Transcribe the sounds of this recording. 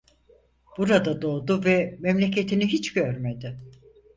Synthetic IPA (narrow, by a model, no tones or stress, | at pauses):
b̥uɾad̪ad̪o̞ːd̪uvɛmemlʲe̞cʰe̞t̪ʰiniɦit͡ʃɟøɾme̞d̪ɪ